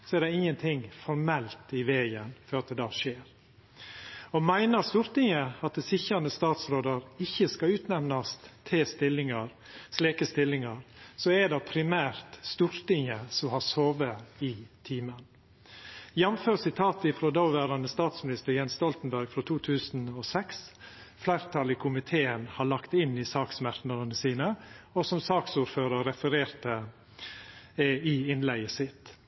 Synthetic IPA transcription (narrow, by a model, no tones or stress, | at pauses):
sɔɛɾɖ̪ɛɪŋːənt̪ʰɪŋfɔɾmɛlt̪ɪʋeːɡənfɔɾɑt̪̚d̪ɛd̪ɑːʂeːɾ | ɔmæɪnəɾst̪uːɾt̪ɪŋəɑt̪̚d̪ɛsɪçɾɑnəst̪ɑːt̪sɾoːd̪əɾɪçːəskɑʉːt̪nɛʋnɑst̪t̪ʰɪst̪ɪlːɪŋɑɾ | sleːkəst̪ɪlːɪŋɑɾsɔɛɖɑpʰɾɪmæːɾt̪st̪uɾt̪ɪŋəsɔmhɑɾsoːʋəɪt̪ʰiːmən | jɛmføːɾsɪt̪ʰɑːt̪əɪfɾod̪ɑʊʋæːɾɑnəst̪ɑːt̪smɪnɪst̪əɾjɛnst̪ɔlt̪n̩bæɾɡfɾɔt̪ʰuːt̪ʰʉːsnɔsɛks | flæɪɾt̪ʰɑlɪkʰʊmɪt̪ʰeːənhɑɭɑkt̪ɪnːɪsɑːksmæɾt̪nɑɾənəsiːnəɔsɔmsɑːksuːɾføːɾɑɾɛfəɾeːɾt̪ə | ɪɪnlæɪəsɪt̪